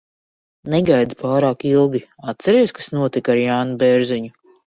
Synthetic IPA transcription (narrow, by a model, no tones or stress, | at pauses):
neɡajd̪paːɾaːkilˠɡʲiat̪̚sɛɾiɛskasnuɔt̪ikaɾjaːnubɛɾziɲu